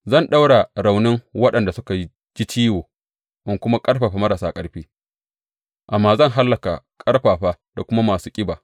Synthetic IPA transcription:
zɐ˦˨nɗa˦wɽa˨ɾa˨wnɪ˦ŋwɐ˦ɗɐ˨nda˨sʊ˦ka˨˦ | d͡ʒi˦t͡ʃiː˦woː˨ | ʔɪ˦ŋkʷʊ˦ma˦kʼɐ˦ɽɸaː˨ɸa˦mɐ˦ɾɐ˨saː˦kʼɐ˦ɽɸiː˦ | ʔa˨mːaː˦zɐ˦˨ŋɦa˦lːɐ˨ka̰˨kʼɐ˦ɽɸaː˨ɸaː˦ | d̥a˨kʷʊ˦ma˦maː˨suː˦kʲʼɪ˦baː˨

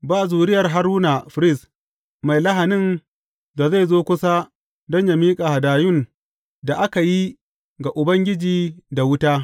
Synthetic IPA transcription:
baː˦˨zuː˨ɾɪ˦jɐ˨rɦa˨ɾuː˦na˨fɪ˨ɾɪ˦˨s | ma˨jlɐ˦ɦa˨nɪ˦˨n | da˨za˦˨jzoː˦kʷʊ˦sa˦ | dɔ˦ɲja˦miː˦kʼa˨ha˨daː˨jʊ˦˨n | da˨ʔa˦ka˨ji˦ | ɡa˨ʔʊ˨bɐ˦ŋɡʲɪ˦d͡ʒiː˨da˨wʊ˦taː˦

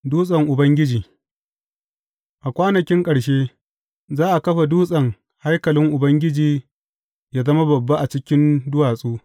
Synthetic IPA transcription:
duː˦sʼɐ˨ŋʔʊ˨bɐ˦ŋɡʲɪ˦d͡ʒiː˨ | ʔa˨kʷaː˦nɐ˨kʲɪ˦ŋkʼɐ˨ɽʃeː˦ | zaː˦ʔa˨kɐ˦ɸa˨duː˦sʼɐ˨ŋ | ha˦jkɐ˨lɪ˦ŋʔʊ˨bɐ˦ŋɡʲɪ˦d͡ʒiː˨ | jaː˦zɐ˦ma˦bɐ˨bːa˦ʔa˨t͡ʃɪ˦kʲɪ˦ndʊ˦waː˨sʼuː˦

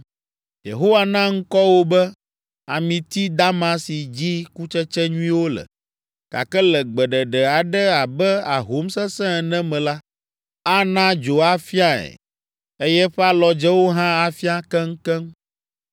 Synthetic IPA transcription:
jḛ˨ɦo˦wa˨nã˦ŋ̩˦kɔ˦wo˦bɛ˦ | a˨mĩ˨t̪i˦d̪a˦mã˦si˨d͡ʑi˦ku˦t͡ʃɛ˦t͡ʃɛ˦ɲũ˦ĩ˦wo˦lɛ̰˨ | ka̰˨kɛ˦lɛ˨ɡ͡bɛ˨ɖɛ˨ɖɛ˨a˨ɖɛ˦a˨bɛ˦a˨ɦo˨˦msɛ˦sɛ̃˦˨nɛ̃˦mɛ̃˨la˦ | a˦nã˦d͡ʒo˨a˦fi˦a˦ɛ̰˨ | e˦jɛ˦ɸɛ˦a˦lɔ˨d͡ʒɛ˦wo˦ɦã˦a˨fi˦a˦kɛ˦ŋ̩˦kɛ˦ŋ

